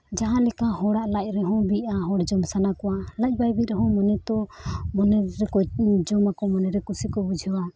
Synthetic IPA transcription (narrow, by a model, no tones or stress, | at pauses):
d͡ʒaɦãlɛkahɔɽaʔlac̚ɾɛɦɔ̃biaɦɔɽd͡ʒɔmsanakɔwalac̚ˀbajbiɾɛɦɔ̃mɔnɛt̪ɔmɔnɛɾɛkɔd͡ʒɔmakɔmɔnɛɾɛkusikɔbud͡ʒʱɛwa